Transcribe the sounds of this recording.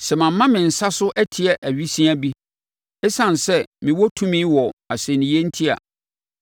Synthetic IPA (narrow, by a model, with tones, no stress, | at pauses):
sɛ˨mã˨mː˦ã˦mɪ̃˨n̩˨sa˦sʊ˦ʔɛ˦tʰɪ˨ɛ˨ʔæ˨ɥi˦sĩ˦a˦bi˦ | ɛ˦sã˨n˨sɛ˦mɪ̃˨wɔ˦tʰũ˦mĩ˦wɔ˨a˨sɛ˨nĩ˨je˦n̩˦tʰi˦a̰˨